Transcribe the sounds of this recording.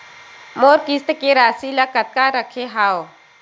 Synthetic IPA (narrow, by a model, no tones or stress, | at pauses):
moːɾkist̪keɾaːsiləkət̪̚kaɾəkʰeɦaːo